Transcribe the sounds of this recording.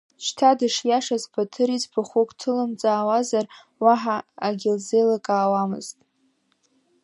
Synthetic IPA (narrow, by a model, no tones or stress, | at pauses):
ʃtʰadɨʂjaʂazpʰatʰɨɾizbʰaχʷokʷʼtʰɨlɨmt͡sʼaːwazar | waħaːɡʲɪlze̞jlakʼaːwamɨ̰ztʼ